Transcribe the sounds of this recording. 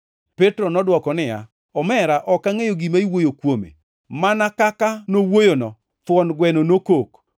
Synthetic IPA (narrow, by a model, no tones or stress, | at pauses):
petɾonɔdwɔkɔnɪja̰ | ɔmɛɾaʔɔkaŋejoɡimaiwojokwomḛ | manakakanowojonɔ | fwɔnɡwɛnonokok